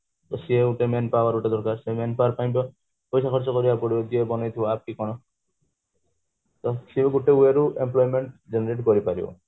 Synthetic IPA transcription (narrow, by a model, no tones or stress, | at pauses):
t̪ɔsieuʈemenpabaɾuʈed̪ɔɾkaɾsemenpaɾpaj̃bɔ | pɔjsakʰɔɾt͡ʃɔkɔɾibapɔɽid̪iebɔnɔjt̪ʰiwap̚kikɔɽ̃ɔ | t̪ɔsibɔɡuʈeueɾuʔemplɔjmeɳʈd͡ʒeneɾeʈkɔɾipaɾio̰